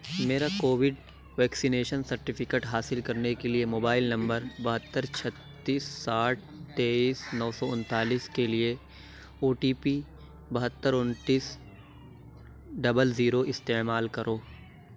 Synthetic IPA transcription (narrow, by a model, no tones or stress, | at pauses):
meːɾakoːʋɪɖ | ʋɛːksineːʃənsɐɾʈɪfʰɪkeːʈɦaːsɪlkɐɾnekeliemoːbaːɪlnɐ̃mbəɾbɐɦət̪ːəɾt͡ʃʰɐt̪ːiːsːaːʈ̚t̪eːiːsnɔːsɔʊ̃nt̪aːliːskelie | oːʈiːpi | bɐɦət̪ːəɾʊnʈiːs | ɖɐbəlziːɾoʔɪst̪eːmaːlkɐɾʔoː